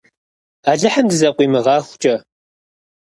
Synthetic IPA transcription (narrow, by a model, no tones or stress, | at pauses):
aːɮɨħamdɨzɐqʷʼiːmɨʁɑːxʷt͡ʃʼɐ